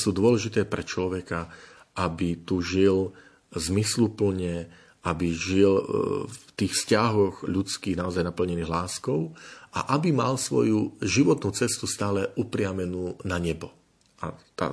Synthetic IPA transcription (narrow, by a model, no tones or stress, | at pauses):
suːd̪ʊɔlɛʒit̪ɛːpɾɛt͡ʃlɔʋɛka | ʔabit̪uʒil | zmislupl̩ɲɛ | ʔabiʒilft̪iːxfscaɦɔɣʎut͡skiːɣnaɔzajnapl̩ɲɛniːɣlaːskɔʊʔa̰ʔabimalsʋɔ̰juʒiʋɔt̪nuːt͡sɛst̪ust̪aːlɛʔupɾɪamɛnuːnaɲɛbɔ | ʔa̰t̪a̰